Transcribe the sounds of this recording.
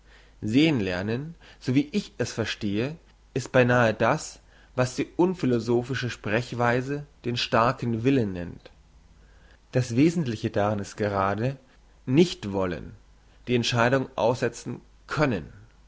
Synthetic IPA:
zeːənlɛɐnənz̥oviːʔɪçɛsfɛɐʃteːə | ʔɪst̚b̥aɪnaːədas | vasd̥iːʔʊnfɪlozoːfɪʃəʃpʁ̥ɛçv̥aɪzəd̥eːnʃtaɐkn̩vɪlənːɛ̰nt | d̥asv̥eːzn̩tlɪçədaʁanɪst̚ɡ̥əʁaːdə | nɪçtv̥ɔlə̰n | d̥iːɛntʃaɪɾʊŋʔa̰ʊsz̥ɛt͡sn̩ | kʰœnə̰n

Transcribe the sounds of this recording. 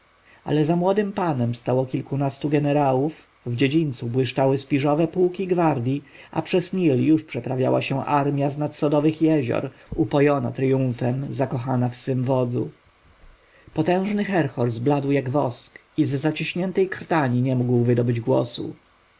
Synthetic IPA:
a̰lɛzamwɔd̪ɘmpanɛmst̪awɔkʲilkunast̪uɡɛnɛɾawuf | vd͡ʑed͡ʑint̪subwɘʂt͡ʂawɘspʲiʐɔvɛpuwkʲiɡvaɾd̪ʲji | ʔa̰pʂɛzɲiljuʂpʂɛpɾavʲja̰waɕɛ̃ʔaɾmʲjaznat̪sɔd̪ɔvɘxjɛʑɔ̰ɾupɔjɔna̰t̪ɾjũfɛmzakɔxanafsfɘmvɔd̪zṵ | pɔt̪ɛ̃w̃ʐnɘxɛɾxɔɾzblad̪wjaɡvɔsk | izːat͡ɕiɕɲɛnt̪ɛjkɾt̪aɲiɲɛmuɡwvɘd̪ɔbɘd͡ʑɡwɔ̰sṵ

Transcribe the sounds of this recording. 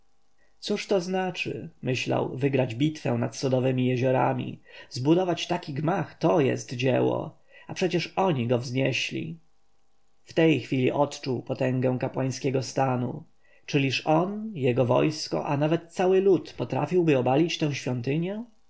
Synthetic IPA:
t̪suʂt̪ɔznat͡ʂɘ̰mɘɕla̰wvɘɡɾad͡ʑbʲit̪fɛ̰w̃nat̪sɔd̪ɔvɘmʲijɛʑɔɾa̰mʲḭzbud̪ɔvat͡ɕt̪akʲiɡmaxt̪ɔjɛ̰st̪d͡ʑɛwɔ̰ | apʂɛt͡ɕɛʂɔɲiɡɔvzɲɛɕlʲḭ | ft̪ɛjxfʲilʲḭʔɔt̪t͡ʂuwpɔt̪ɛ̃ŋɡɛ̃w̃kapwaj̃skʲɛɡɔst̪anṵ | t͡ʂɘlʲiʂɔnjɛɡɔvɔ̰jskɔ̰ʔanavɛt̪̚ːsawɘlut̪pɔt̪ɾa̰fʲiwbɘɔbalʲit͡ɕt̪ɛ̃w̃ɕfʲjɔnt̪ɘɲɛ

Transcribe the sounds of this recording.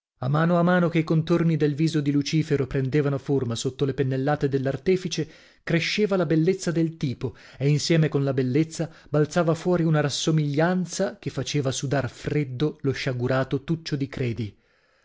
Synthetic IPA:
amːaːnoamːaːnokeikont̪ornid̪elviːzod̪ilut͡ʃiːfeɾopɾend̪eːvanoformasot̪ːolepenːelːaːt̪ed̪elːart̪ɛːfit͡ʃe | kɾeʃːeːvalabelːet̪sːad̪elt̪iːpo | einsjɛːmekonlabelːet̪sːa | balt̪saːvafwɔːɾiunaɾasːomiʎːant̪sak̟efːat͡ʃeːvasud̪arfred̪ːoloʃːaɡuɾaːt̪ot̪ut͡ʃːod̪ikɾɛːd̪i

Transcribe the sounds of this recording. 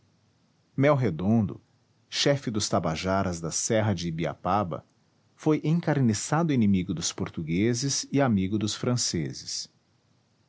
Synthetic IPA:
mɛwɦed̪õnd̪ʊ̰ | ʃɛfɪd̪ʊst̪abaʒaɾɐzd̪ɐsɛɦɐd͡ʒɪbia̰pabɐ̰ | fojʔẽŋkaɾnesad̪ʊĩnẽmiɡʊd̪ʊspoɾt̪uɡezɪzɪamiɡʊd̪ʊsfɾɐ̃sḛzɪs

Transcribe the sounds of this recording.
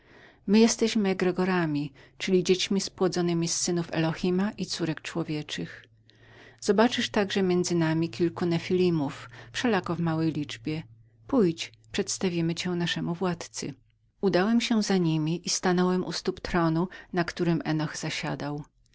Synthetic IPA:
mɘjɛst̪ɛɕmɘɛɡɾɛɡɔɾamʲit͡ʂɘlʲid͡ʑet͡ɕmʲispwɔd̪zɔnɘmʲisːɘnufɛ̰lɔxʲimaʔit̪suɾɛkt͡ʂwɔvʲjɛt͡ʂɘx | z̥ɔbat͡ʂɘʂt̪aɡʐɛmʲjɛnd̪zɘnamʲikʲilkunɛfʲilʲimuffʂɛlakɔvmawɛjlʲid͡ʐbʲjɛ | pujt͡ɕ | pʂɛt̪st̪avʲimɘt͡ɕɛnaʂɛmuvwat̪t̪sɘ̰ | ud̪awɛmɕɛzaɲimʲiʔist̪anɔwɛmṵst̪upt̪ɾɔnunakt̪uɾɘmɛnɔxz̥aɕa̰d̪aw

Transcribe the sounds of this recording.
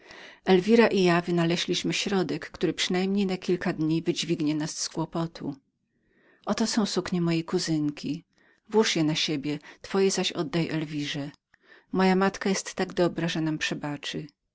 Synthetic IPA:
ɛlvʲiɾaʔijavɘnalɛʑlʲiɕmɘɕɾɔd̪ɛkːt̪uɾɘpʂɘnajmɲejnakʲilkad̪ɲivɘd͡ʑvʲiɡɲɛnasːkwɔpɔt̪ʰṵ | ʔɔt̪ɔsɔ̃w̃sukɲɛmɔjejkuzɘŋkʲi | vwuʂjɛnaɕebʲjɛt̪fɔjɛzaɕɔ̰d̪ːajɛ̰ʔɛlvʲiʐɛ | mɔjamat̪kajɛst̪ːaɡd̪ɔbɾaʐɛnampʂɛbat͡ʂɘ

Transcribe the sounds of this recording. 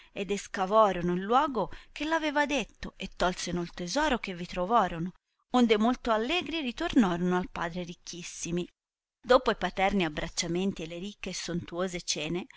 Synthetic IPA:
ed̪eskavɔːɾonoilːwɔːɡokelːaveːvad̪et̪ːoʔet̪ːɔlsenult̪ezɔːɾok̟evːit̪ɾovɔːɾono | ond̪emolt̪oalːɛːɡɾirit̪ornɔːɾonoalpaːd̪ɾeɾikʰːisːimi | d̪oːpoipat̪ɛrniabːɾat͡ʃːament̪ielːeɾikːeːsːont̪uoːzet͡ʃɛːne

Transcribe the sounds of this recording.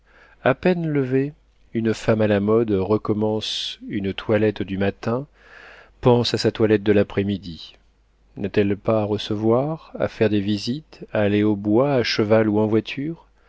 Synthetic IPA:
apɛnləve | ynfamalamɔd̪ʁəkɔmɑ̃synt̪walɛt̪d̪ymat̪ɛ̃ | pɑ̃sasat̪walɛt̪̚d̪əlapχɛmid̪i | nat̪ɛlpaːʁəsəvwaʁa̰fɛʁd̪evizit̪aːleobwaːʃəvaluɑ̃vwat̪ʰyːʁ

